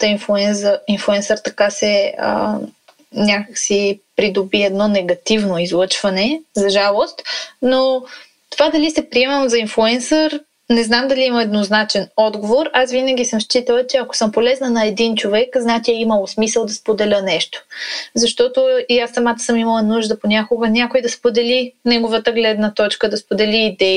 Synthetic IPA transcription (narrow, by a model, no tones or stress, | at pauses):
t̪əinflˠuɛnsəinflˠuɛnsəɾt̪ɐkasɛə̰ | nʲakəksipɾid̪obiɛd̪nɔnɛɡɐt̪ivnoizlˠɤt͡ʃvɐnɛzɐʒalˠost̪no | t̪ovad̪ɐlisɛpɾiɛmɛnozɐinflˠuɛnsəɾ | nɛznamd̪ɐliiməɛd̪noznat͡ʃɛnɔd̪ɡovoɾasvinəɡ̟ʲisəmst͡ʃit̪əlˠət͡ʃɛɐko̥sɤmpolɛznənɐɛd̪int͡ʃovɛkznat̪ʲiɛiməlˠsmisəlˠd̪ɐspod̪ɛlʲənɛʃt̪o̥zɐʃt̪ɔt̪oiasːɐmat̪ə̥səmimɐlˠənuʒd̪əponʲakoɡənʲakoid̪ɐspod̪ɛlinɛɡovət̪əɡlɛd̪nət̪ɔt͡ʃkəd̪ɐspod̪ɛliːd̪ɛ